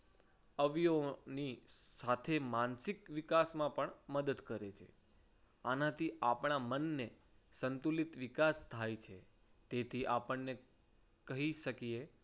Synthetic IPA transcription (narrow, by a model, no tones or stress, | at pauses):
əʋjonisat̪ʰemansikʋikasmãpəɳməd̪əd̪kəɾet͡ʃʰḛ | anat̪ʰiʔapɳ̃amənːe | sənt̪ulit̪ʋɪkast̪ʰajt͡ʃʰe | t̪et̪ʰiʔapəɳːe | kəɦiʃəkije